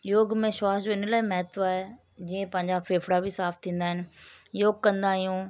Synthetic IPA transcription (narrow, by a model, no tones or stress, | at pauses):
joːɡmẽʃaːsd͡ʑoːɪnlaːimɛɦt̪oaːɦe | d͡ʑĩːẽpɐ̃ɦɪ̃ɲd͡ʑafeːfɽabʱisaːft̪ʰĩːn̆d̪aːɪ̃nɪ̆joːɡ̚kɐ̃nd̪aːɦijũ